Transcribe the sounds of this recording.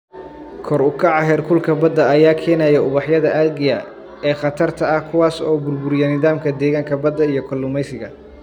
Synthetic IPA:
kʰɔɾʊkʰɑʕɑɦɛːrkʰʊlkʰɐbɐd̪ːɐːjaːkʰɛːnɐjɐʊβɑħjɐðɐʔɐɡɪjɐ | ɛːχɑt̪ʰɐrt̪ʰɐɐhkʰʊwaːsɔːbʊrbʊɾɪjɛnɪðaːmkʰɐd̪ɛːɣaːŋkʰɐbɐd̪ːɐijɞkʰɐlːʊmɛjsɪɣɐ

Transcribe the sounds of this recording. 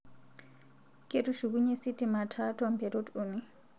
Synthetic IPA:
kʼetuʂik̬uɲesitʼimatʰatʰuampʰɛɾotʰʼumi

